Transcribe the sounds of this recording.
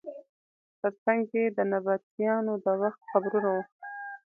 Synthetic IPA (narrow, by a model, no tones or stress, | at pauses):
t̪əɾt͡saŋɡed̪ənabat̪jɑnod̪əwaxt̪xabɾunawu